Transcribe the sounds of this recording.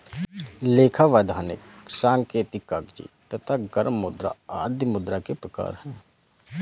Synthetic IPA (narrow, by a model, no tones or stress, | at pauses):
leːkʰaʋaːd̪ʱaːnɪ̰ksãːŋkeːt̪ikːaːɡd͡ʒḭt̪ət̪ʰaɡəɾmːʊd̪ɾa̰aːd̪ʱjmʊd̪ɾakepɾəka̰ːɾhɛ̃ː